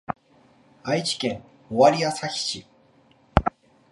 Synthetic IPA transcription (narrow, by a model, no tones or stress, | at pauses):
ait͡ɕi̥kẽ̞ŋ | oβaɾʲiasaçʲi̥ɕi